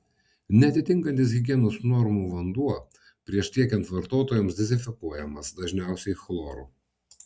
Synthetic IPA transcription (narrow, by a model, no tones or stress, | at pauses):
nʲɛɐt̪ʲɪt̪ʲɪŋkɐnʲt̪ʲɪs̬ɦʲɪɡʲiɛnoːsnɔɾmuːʋɐnd̪uɔ | pʲɾʲiɛʃt̪ʲiɛkʲɛnt̪ʋɐɾt̪oːt̪oːjɔmsd̪ʲɛzʲɪfʲɪkuɔjɛmɐsd̪ɐʒʲnʲæˑʊsʲɛɪxlˠɔːɾṵː